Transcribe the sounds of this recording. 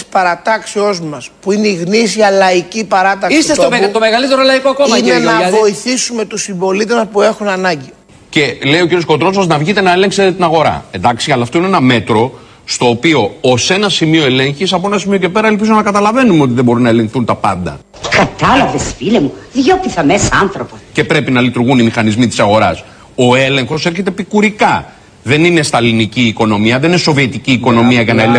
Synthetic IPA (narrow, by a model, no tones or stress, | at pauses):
spɐɾɐt̪ɐksio̞zmɐspuineiɣnisiɐlɐicipɐɾɐt̪ɐkisesot̪omeɣɐlit̪eɾolɐikoko̞mɐinenɐvo̞iθisume̞t̪usiɱbo̞lit̪eɐpue̞xunɐnɐɲɟi | ce̞le̞jo̞ciɾiosko̞t̪ɾo̞s̬oznɐvʝit̪e̞nɐele̞ŋkse̞t̪et̪inɐɣo̞ɾɐ̰end̪ɐksiɐlɐːft̪o̞inenɐme̞t̪ɾo̞ | st̪o̞ːpio̞ose̞nɐsimio̞e̞le̞ɲçisɐpo̞enɐsimio̞ce̞pe̞ɾɐe̞lp̬izo̞nɐkɐt̪ɐlɐve̞numeo̞t̪iðebo̞ɾinɐe̞le̞ŋkθunt̪ɐpɐnd̪ɐ | kɐt̪ɐlɐvesfilemuðʝopiθɐmesɐɐnθɾopoce̞pɾe̞pinɐlit̪uɾɣunimixɐnizmit̪isɐɣo̞ɾɐs | o̞e̞le̞ŋxo̞se̞ɾçe̞t̪e̞pikuɾikɐ | ðe̞nine̞st̪ɐliniciːko̞no̞miɐðenineso̞vie̞t̪iciːko̞no̞miɐʝɐnɐele